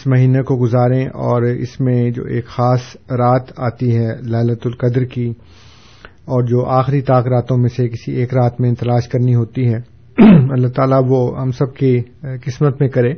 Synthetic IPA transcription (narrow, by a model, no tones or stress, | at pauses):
ɪsmɐɦiːnekoɡʊzaːɾẽʔɔːɾɪ̰smẽd͡ʒo̰ːeːkxaːsɾaːt̪aːt̪iɦɛlaːlət̪ʊlqɐd̪ɾki | ɔːɾd͡ʒoːʔaːxɾit̪aːkɾaːt̪õmẽsekɪsieːkɾaːt̪mẽɪnt̪ɐlaːʃkɐɾniɦoːt̪iɦɛː | ɐlːaɦt̪aːlaʋoɦɐmsɐb̚kikɪsmət̪mẽkɐɾẽː